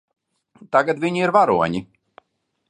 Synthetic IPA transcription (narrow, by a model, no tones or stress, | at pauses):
t̪aɡat̪viɲiiɾvaɾuɔɲi